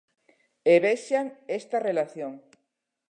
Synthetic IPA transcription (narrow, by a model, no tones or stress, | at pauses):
eβeʃaŋest̪arelaθjoŋ